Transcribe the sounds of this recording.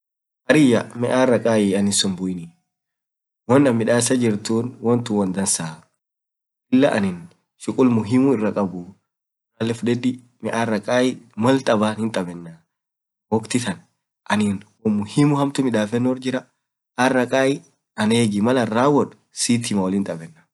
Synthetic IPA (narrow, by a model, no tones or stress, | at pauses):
ʔɐɾɪjːɐmɛʔaːrːɐkʼaːjɪɐnɪsʊnbʊjɪnɪ | wɔnːɐmːɪᶑaːsɐd͡ʒɪɾt̪uːnwɔnt̪ʊwɔnd̪ɐnsaː | ʔɪlːɐʔɐ̰nɪn | ʃʊkʼʊlmʊɦɪmʊɪrːɐkʼɐbʊ | maːlːɛfʊdɛd̪ɪ | mɛʔarːɐkʼaːɪmɐlt̪ʼɐbaːnhɪnt̪ʼɐbɛnːa | wɔkt̪ɪt̪ɐn | ʔɐnɪnwɔmʊhimʊhɐmt̪ʊmɪᶑaːfɛnːʊɔɾd͡ʒɪɾɐ | arːɐkʼaːjɪ | ɐneːɡɪmɐlɐraːwɔᶑʊ̥ | siːt̪ʰɪmɐwɔlɪnt̪ʼɐbɛnːa